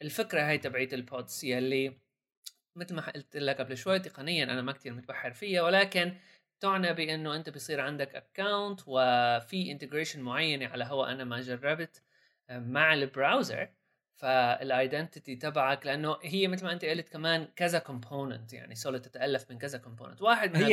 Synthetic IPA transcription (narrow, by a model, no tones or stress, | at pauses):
ʔɪlfɪkɾaɦaːjt̪abʕiːt̪ɪlpʰod̪sɪjalːi | mɪt̪lmaħaʔɪlt̪ʔɪlːakʔablɪʃwajːt̪ɪqɑnɪjːanʔa̰namak̚t̪ʰiːɾmʊt̪̚baħːɪɾfɪjːawɪlaːkɪn | t̪ʊʕnabɪʔɪnːoʔɪnt̪abɪjsˤiːɾʕand̪akʔa̰kːawnt̪wɪfiʔɪnt̪ɪɡɾeːʃɪnmʊʕajːaneʕalaɦʊwːa̰ʔanamad͡ʒɑrˤːɑbt̪ | maʕɪlbɾawza̰ɾ | faɪ̰lʔajd̪ɛnt̪ɪt̪it̪abaʕaklɪʔanːoɦɪjːamɪt̪lmaʔɪnt̪aʔɪlt̪kamaːnkazakʊmpʰoːnə̰nt̪ja̰ʕnisoːlt̪ːɪ̥t̪aʔalːafmɪnkazakʊmpo̰ːnɪ̰nt̪waːħɪd̪mɪn